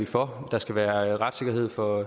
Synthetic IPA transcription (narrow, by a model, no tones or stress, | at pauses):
ifɒd̥ɑ̈sɡ̥æʋæːɐʁad̥se̝ɡ̥ɐɦe̝ð̞̰ˠfɒ̽